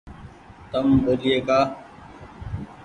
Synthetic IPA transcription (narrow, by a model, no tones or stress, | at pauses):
t̪əmbəɾieːkaː